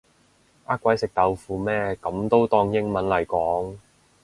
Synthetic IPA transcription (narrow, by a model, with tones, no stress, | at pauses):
ʔaː˥kʷːwɐ˨˥jsɪ˨k̚t̪ɐ˨˧wfuː˨˧mɛː˥kɐ˨˥mt̪o˥wt̪ɔː˧ŋjɪ˥ŋmɐ˨˥nlɐ˨˩jkɔː˨˥ŋ